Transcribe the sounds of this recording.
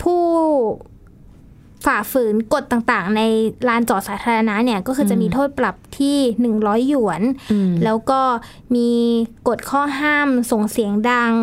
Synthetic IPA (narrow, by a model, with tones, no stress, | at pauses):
pʰuː˥˩ | faː˨˩fɯː˩˦nko˨˩t̪ːaː˨˩ŋt̪aː˨˩ŋna˧jɾaː˦˥nt͡ɕɔː˨˩saː˩˦t̪ʰaː˧a˧na˦˥ʔni˥˩ɐkɔː˥˩ɯː˧˩t͡ɕa˨˩miː˧t̪ʰoː˥˩t̪̚pla˨˩p̚t̪ʰiː˥˩nɯ˨˩ŋɾɔː˦˥jːu˨˩˦ənlɛː˦˥wkɔː˥˩ | miː˧ko˨˩t̪̚kʰɔː˥˩ɦaː˥˩mso˨˩ŋsi˨˩˦əŋda˧ŋ